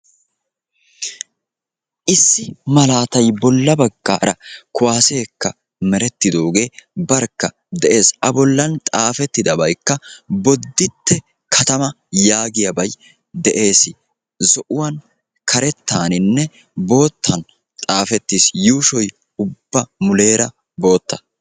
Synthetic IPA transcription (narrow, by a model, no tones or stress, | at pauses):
ʔɪsːɪmɐlaːt̪ɐjbɔlːɐbɐɡːa̰ːɾɐkʊwaːseːkːɐ | mɛɾɛt̪ːɪd̪o̞ːɡe̞ːbɐɾkːɐ | d̪ɛʔe̞ːsʔɐbɔlːɐnt̪ʼaːfɛt̪ːɪd̪ɐbɐjkːɐbɔd̪ːɪt̪ːɛ | kʰɐt̪ɐmɐ | jaːɡɪjɐbɐj | d̪ɛʔe̞ːsɪ | zɔʔʊwɐn | kʰɐɾɛt̪ːaːnɪnːɛ | bo̞ːt̪ːɐn | t̪ʼaːfɛt̪ːisjuːʃɔj | ʊbːɐmʊle̞ːɾɐ | bo̞ːt̪ːɐ